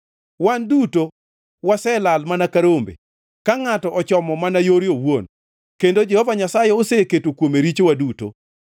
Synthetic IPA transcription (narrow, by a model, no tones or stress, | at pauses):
wanduto | wasɛlalmanakaɾombḛ | kaŋatɔʔɔt͡ʃɔmɔmanajoɾjowon | kendod͡ʒɛhɔvaɲasajɛoseketokwomeɾit͡ʃowaduto̰